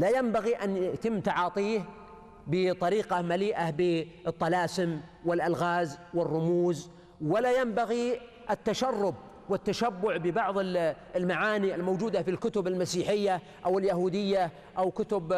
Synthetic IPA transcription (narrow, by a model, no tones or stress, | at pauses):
lajambaɣiʔanjɪʔt̪ɪmːt̪ɑʕɑːt̪ˤiːh | bɪt̪ˤɑɾiːqɑmaliːʔabɪɨt̪ˤːɑlaːsɪmwɪlʔalɣaːzwɪrˤːʊmuːz | wɪlajambaɣi | ʔɪt̪ːaʃarːʊb | wɪt̪ːaʃabːʊʕbɪbɑʕðˤɪ | lmaʕaːniɪlmowd͡ʒuːd̪afilkʊt̪ʊbɪlmasiːħɪjːa | ʔawɪljaɦuːd̪ɪjːa | ʔawkʊt̪ʊb